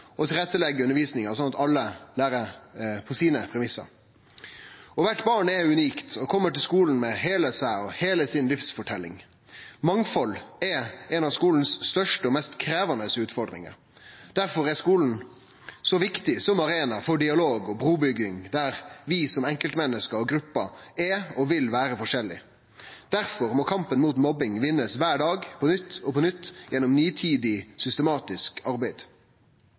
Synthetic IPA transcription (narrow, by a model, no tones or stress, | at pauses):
ɔt̪ʰɪlʁɛt̪ːəlɛɡːəʉnəɾʋiːsnɪŋɑs̬ɔnɑt̪ɑlːəlæːɾəɾpʰɔsiːnəpʰɾɛmɪsːə̰ɾ | ɔʋæʈːbɑːɳɛʉniːkt̪ʰɔkʰɔmːəʈɪlskuːln̩mɛɦeːləsæɪɔheːləsɪnlɪfsfɔʈʰɛlːɪ̰ŋ | mɑŋfɔlɛɛnɑʋskuːln̩sːt̪œʂʈəɔmɛst̪kʰɾeːʋɑnəsʉːt̪fɔɾd̪ʁɪ̰ŋə̰ɾ | d̪̥æɾfɔɾɛskuːln̩ | sɔʋɪkt̪ɪsɔmɑɾeːnɑfɔɖɪɑloːɡɔbɾuːbʏɡːɪŋd̪æɾʋɪsɔmɛŋkəlt̪mɛnːəskəɾɔɡɾʉpːɑɛɔʋɪlʋæːɾəfɔʂɛlːɪ̰ | d̪̥æɾfɔɾmɔːkʰɑmpənmuːt̪mɔbɪŋʋɪnːəsʋæːɖɑːɡpʰɔnʏt̪ːɔpʰɔnʏt̪ːjɛnːɔmnyːt̪ʰiːd̪ɪsʏst̪əmɑːt̪ɪskʰɑɾbæɪd̪